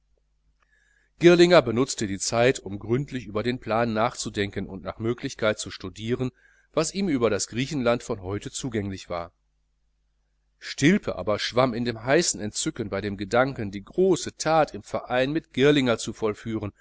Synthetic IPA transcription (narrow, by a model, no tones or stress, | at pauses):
ɡ̥ɪɐlɪŋɐbənʊt͡stədiːt͡saɪtʊmɡʁʏntʰlɪçʔyːbɐdeːnpl̥aːnːaːχt͡sudɛŋkənʊ̰ntna̰ːχmøːklɪçkaɪt̚t͡suʃtudiːʁən | vasʔiːmʔyːbɐɾasɡ̥ʁiːçn̩lantfɔnɦɔʏtət͡suːɡɛŋlɪçv̥a̰ːɐ | ʃtɪlpʰəʔa̰ːbɐʃv̥amɪndeːmɦaɪsn̩ɛntt͡sʏkənbaɪɾeːmɡədaŋkəndiːɡʁoːsətʰaːtɪmfɛɐʔaɪnmɪtɡ̥ɪɐlɪŋɐt͡sufɔlfyːʁən